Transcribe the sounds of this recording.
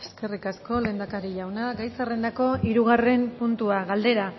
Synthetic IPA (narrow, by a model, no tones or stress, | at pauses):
eske̞rikasko̞le̞ːnd̪akaɾiʎawnaɡajsare̞nd̪ako̞iɾuɣare̞mpunt̪uaɣald̪e̞ɾa